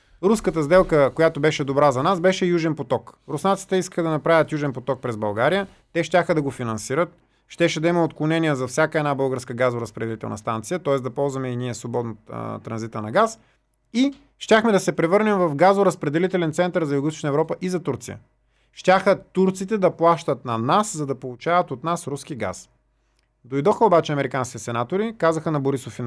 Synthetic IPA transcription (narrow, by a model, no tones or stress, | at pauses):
ɾuskət̪əzd̪ɛlˠkəkojat̪obɛʃɛd̪obɾazɐnasbɛʃɛjuʒɛnpot̪ɔkɾʊsnat̪si̥t̪ɛiskə̥xəd̪ɐnɐpɾavʲət̪juʒɛnpot̪ɔk̚pɾɛzbɐlˠɡaɾijə | t̪ɛʃt̪ʲaxəd̪ɐɡofinɐnsiɾət̪̚ | ʃt̪ɛʃɛd̪ɐiməot̪klˠonɛniəzɐfsʲjakəɛd̪nabɤlˠɡəɾskəɡazʊɾɐspɾɛd̪ɛlit̪ɛ̰lˠnɐ̰st̪ant̪sijət̪ɔɛsd̪ɐpɔlˠzvɐmɛiniɛsvobɔd̪not̪ɾɐnzit̪ənɐɡas | i | ʃt̪ʲaxmɛd̪ɐsɛpɾɛvɤɾnɛmvɐfɡazʊɾɐspɾɛd̪ɛlit̪ɛlɛnt̪sɛnt̪əɾzɐjuɡoʊist̪o̥ʃnəɛvɾɔpəʔizɐt̪uɾt̪sijə̰ | ʃt̪ʲaxət̪uɾt̪sit̪ɛd̪ɐplˠaʃt̪ət̪nɐnaszɐd̪ɐpolˠut͡ʃavɐt̪ot̪nasɾuskiɡa̰s | d̪ojd̪ɔxəobat͡ʃɛɐmɛɾikanskʲit̪ɛsɛnat̪oɾikazəxənɐboɾisofin